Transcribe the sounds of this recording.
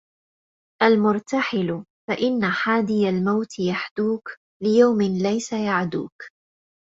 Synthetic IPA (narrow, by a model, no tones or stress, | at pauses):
ʔalmʊɾˤt̪aħɪlʊfaʔɪnːaħaːd̪ɪjalmawt̪ɪjaħd̪uːk | lɪjawmɪnlajsajaʕd̪ṵːk